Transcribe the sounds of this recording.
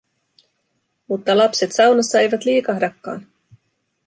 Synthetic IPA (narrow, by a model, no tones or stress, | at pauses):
mut̪ːɑlɑpse̞t̪sɑwnɑsːɑe̞jʋɑt̪liːkɑɦdɑkːɑ̰ːn